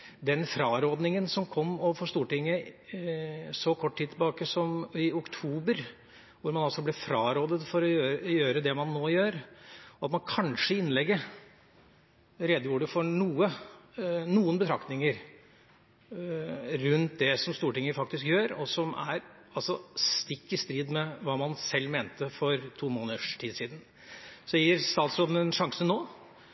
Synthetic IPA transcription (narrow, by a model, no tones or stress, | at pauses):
d̪ɛnfɾɑːɾoːd̪nɪŋənsɔmkʰɔmːɔfɔʂt̪uːʈɪŋːə | sɔkʰɔʈːʈʰːid̪̚t̪ʰɪlbɑːkəsɔmɪʊkt̪ʰuːbəɾ | ʋʊɾmɑnɑlsɔblɛfɾɑːɾoːd̪ət̪fɔɾɔjøːjøːɾəd̪ɛmɑnːoːjøːɾɔɑt̪mɑnkʰɑnʂəɪnːlɛɡːə | ɾɛd̪əjuːɖəfɔɳuːə | nuːənbət̪ʰɾɑk̚t̪nɪŋəɾ | ɾʉnt̪̚d̪ɛsɔmst̪uːʈɪŋːəfɑk̚t̪ɪskjøːɾɔsɔmæ̰ɾɑlsɔst̪ɪkːəst̪ɾiːd̪mɛʋɑːmɑnsɛlːmeːnt̪əfɔɾt̪ʰuːmoːnəd̪əʂʈʰiːd̪siːd̪ən̩ | sɔjiːɾst̪ɑːt̪sɾoːd̪ən̩ɛnʂɑŋsənoː